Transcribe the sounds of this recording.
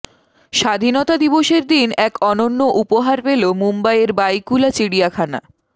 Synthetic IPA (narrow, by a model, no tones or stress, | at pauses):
ʃad̪ʱinɔt̪ad̪iboʃeɾd̪inɛkɔnonːoʔupoɦaɾpelomumbajeɾbajkulat͡ɕiɽijakʰana̰